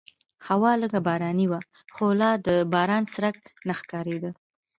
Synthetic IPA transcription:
hawɑləɡabɑɾɑniwa | xolɑd̪əbɑɾɑnsɾaknaxkɑɾed̪ə

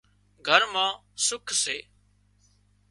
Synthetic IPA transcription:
ɡʱəɾmãːsʊkʰseː

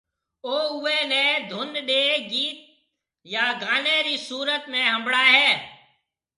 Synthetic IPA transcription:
oːʊeːneːd̪ʱʊnɗeːɡiːt̪̚ | jaːɡaːnẽːɾiːsuːɾət̪mẽːɦə̃mbɽaːɦɛː

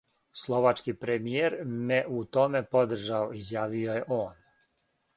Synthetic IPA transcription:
slˠo̞ʋat͡ʃkipɾemijeːɾmeʔut̪o̞me̞po̞d̪r̩ʒaoizjaːʋioje̞ʔoːn

